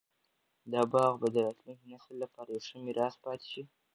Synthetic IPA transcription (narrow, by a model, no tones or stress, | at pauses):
d̪ɑbɑɣbad̪əɾɑt̪lunknasəlːapaɾeʂəmiɾʔɑspɑt̪i̥ʃi